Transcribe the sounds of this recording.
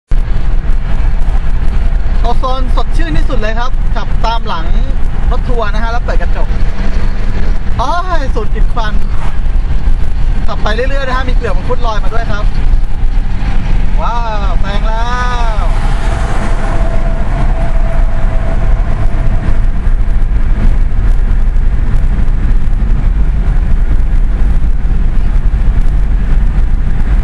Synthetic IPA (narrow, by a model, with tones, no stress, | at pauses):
kɔː˨˩sɔː˧nso˨˩t̪̚t͡ɕʰɯː˥˩nt̪ʰiː˥˩su˨˩t̪̚lɤː˧jkʰa˦˥p̚t͡ɕa˨˩p̚t̪aː˧mla˩˦ŋɾo˦˥t̪ʰːu˧ɐna˦˥kʰa˦˥lɛː˦˥pɤː˨˩t̚ka˧t͡ɕo˨˩p̚ | ʔaː˦˥su˨˩n̚ki˨˩t̪̚kʰa˧n | ka˨˩pːa˧jlɯ˥˩lɯ˥˩jna˥kʰa˦˥miː˧ʔɯ˨˩pa˧pʰu˦˥˩t̪̚lɔː˧jmaː˧du˥˩əjkʰɾa˦˥p̚ | waː˧˥˩bɛː˧˩ŋlɛː˦˥˦w